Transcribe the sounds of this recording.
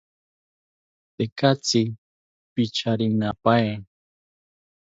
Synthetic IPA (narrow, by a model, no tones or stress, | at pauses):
t̪ekat͡sɪ | pit͡ʃaɾinapae